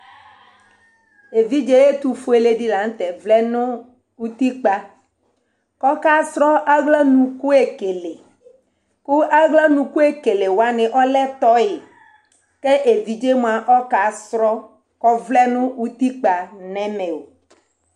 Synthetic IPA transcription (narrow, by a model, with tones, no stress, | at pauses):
e˨vi˦d͡ʒe˦je˦t̪u˨fo˦e˨le˦ɖi˦la˨ŋ˦t̪ɛ˨vlɛ˦nʊ̃˦ | wu˦t̪i˦k͡pa˦ | kɔ˦ka˦sɾɔ˦ʔa˦ɡlɛ˦nũ˨ku˦e˨ke˨le˨ | ku˦ʔa˦ɡla˦nũ˨ku˦e˦ke˨le˨wo˨˦a˦nẽ˨ʔɔ˦lɛ˦t̪ɔ˦je˨ | ke˦ʔe˨vi˨d͡ʒe˦m˦ã˨ʔɔ˦ka˨sɾɔ˦ | kɔ˦vlɛ˦nʊ̃˦u˦t̪i˦k͡pa˨nɛ̃˦mẽ˨o˨